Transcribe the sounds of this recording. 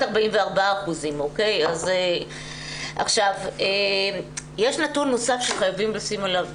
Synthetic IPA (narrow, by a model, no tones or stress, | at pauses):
aʁbaimveaʁbaaːχuzimo̞ke̞jaze | ʔa̰χʃave | jeʃnatunːo̞safʃeχajavimlasimalav